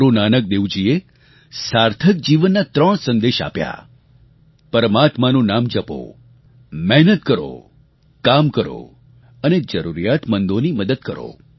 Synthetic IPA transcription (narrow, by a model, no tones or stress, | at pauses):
ɾunanək̚d̪eʋd͡ʒie | saɾt̪ʰək̚d͡ʒiʋənːat̪ɾəɳ̃sənd̪eʃa̰pja̰ | pəɾəmat̪manũnamd͡ʒəpo̰ | mɛɦnət̪̚kəɾo̰ | kamkəɾo̰ | əned͡ʒəɾuɾijat̪mənd̪oniməd̪əd̪̚kəɾo̰